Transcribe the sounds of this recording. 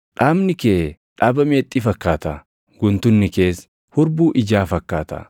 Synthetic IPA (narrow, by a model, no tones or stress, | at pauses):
ᶑaːbnɪkeː | ᶑaːbɐmeːt̪ʼːiːfɐkːaːt̪ɐ̰ | ɡ̥ʊnt̪ʊnːɪke̞ːs | hʊɾbuːʔɪd͡ʒaːfɐkːaːt̪ɐ̰